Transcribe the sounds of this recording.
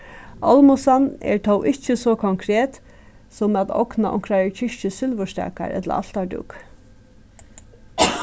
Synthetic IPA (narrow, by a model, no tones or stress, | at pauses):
ɔlmʊsanɛ̰ɹt̪ʰɔwʔɪt͡ʃːəsɔkʰɔŋkʰɾeːt̪ | sɔmat̪ɔ̰knaʔɔ̰ŋkɾaɹɛɹcʰɪʃt͡ʃəsʏlʋʊʃt̪a̰ːka̰ɾɛ̰t̪la̰al̥t̪aɖʊ̰k